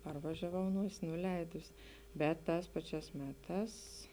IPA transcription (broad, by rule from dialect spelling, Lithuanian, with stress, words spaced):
ˈpɐrʋɐʒʲɛˌʋɐʊ ˈnuɔsʲɪ nʊˈlʲɛɪdʊsʲɪ ˈbʲɛt ˈtɑːs ˈpɑːˌt͡ʃʲæːs ˈmʲæːˌtɑːs